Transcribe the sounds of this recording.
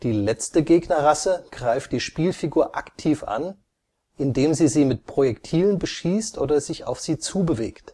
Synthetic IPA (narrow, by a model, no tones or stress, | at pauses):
d̥iːlɛt͡stəɡeːɡnɐʁasəɡ̥ʁaɪft̚d̥iːʃpiːlfiɡuːɐʔa̰ktʰiːfʔa̰n | ʔɪndeːmziːziːmɪtpʁ̥ojɛktʰiːlənbəʃiːstʔoːdɐzɪça̰ʊfz̥iːt͡suːbəveːkt